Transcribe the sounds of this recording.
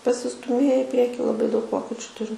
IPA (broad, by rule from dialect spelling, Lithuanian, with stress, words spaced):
pɐsʲɪstʊˈmʲeːjɛ ɪ ˈpʲrʲiɛkʲɪ lˠɐˈbɐɪ dɐʊk ˈʋoːkʲɛt͡ʃʲʊ ˈtʊrʲɪm